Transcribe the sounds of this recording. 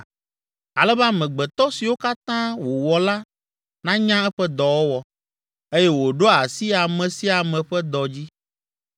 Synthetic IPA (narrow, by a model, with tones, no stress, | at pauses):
a˨lɛ˦ba˦mɛ̃˨ɡ͡bɛ˨t̪ɔ˦si˨wo˦ka˦t̪ã˦wo˨wɔ˨la˦ | nã˦ɲã˦ɛ˦ɸɛ˦d̪ɔ˨wo˦wɔ˨ | e˦jɛ˦wo˨ɖo˦a˨si˦a˨mɛ̃˨si˦a˨mɛ̃˨ɸɛ˦d̪ɔ˨d͡ʑi˦